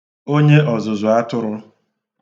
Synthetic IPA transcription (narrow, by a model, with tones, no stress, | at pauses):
o˦ɲe˦ʔɔ˨zʊ˨zʊ˨a˦tʊ˦ɾʊ˦